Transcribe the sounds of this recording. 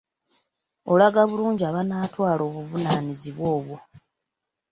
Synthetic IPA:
o̞laɡaβuluːɲɟiaβanaːtwaːlo̞ːβuvunaniziβwo̞ːβwo

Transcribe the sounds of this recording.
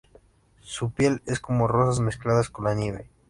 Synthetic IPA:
supje̞le̞sko̞mo̞ro̞sazmesklaðasko̞nlanje̞βe̞

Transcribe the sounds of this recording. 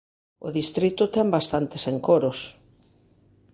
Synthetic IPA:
ʊðist̪ɾit̪ʊt̪ɛmbast̪ant̪eseŋkoɾʊs

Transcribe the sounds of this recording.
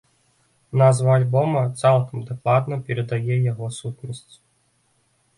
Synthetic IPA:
nazvɐːlʲbɔmɐt̪salˠkɐmd̪aklˠad̪nɐpʲɛɾɐd̪ajɛjaɣɔsut̪nɐsʲt͡sʲ

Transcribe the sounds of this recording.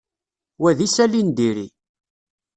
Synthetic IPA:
wæðisælind̪iɾḭ

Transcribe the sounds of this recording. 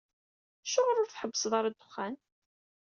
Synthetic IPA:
ʃːʊʁəɾʊɾθħəbːəsˤðˤɑɾˤæd̪ʊχːæn

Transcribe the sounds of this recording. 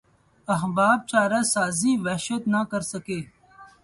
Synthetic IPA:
ɐɦbaːb̚t͡ʃaːɾaːsaːziːʋɛʃət̪nakəɾsɐkeː

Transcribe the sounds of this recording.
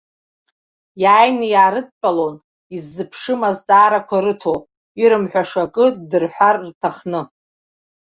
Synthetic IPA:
jaːjnɨjaːɾɨd̚ʼpʼalon | izːɨpʰʂɨmazt͡sʼaːɾakʷʰaɾɨtʰo | iɾɨmħʷᶣaʂakʼɨdɨrħʷarːtʰaχnɨ

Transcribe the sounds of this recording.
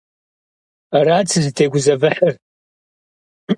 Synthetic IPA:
aɾaːt͡sʰɨzɨtʰeːɡʷʊzɐvɨħɐr

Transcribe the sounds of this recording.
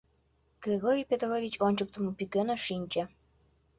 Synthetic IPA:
ɡ̥rʲeɣoɾʲijpʲet̪rovʲit͡ɕonʲt͡ɕək̚t̪ə̆mopykenə̆ʃinʲt͡ɕĕ

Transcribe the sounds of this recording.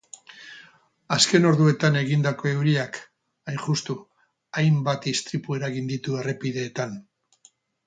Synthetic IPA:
aske̞no̞ɾðue̞t̪ane̞ɣind̪ako̞e̞uɾiak | ajnʝust̪u | ajmbat̪ist̪ɾipue̞ɾaɣind̪it̪ue̞re̞piðe̞ːt̪an

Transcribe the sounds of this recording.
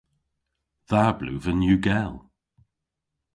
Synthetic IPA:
ðablʉ̰ːvənjʉːɡɛlˠ

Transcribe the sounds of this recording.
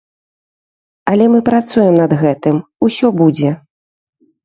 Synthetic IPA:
ɐlʲɛmɨpɾat̪sujɛmnɐd̪ɣɛt̪ɨmusʲɔbud͡zʲɛ

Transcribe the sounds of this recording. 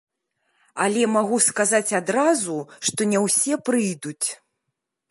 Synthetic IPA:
a̰lʲɛmaɣuskazat͡sʲad̪ɾazuʂt̪ɔnʲɛwsʲɛpɾɨjd̪ut͡sʲ

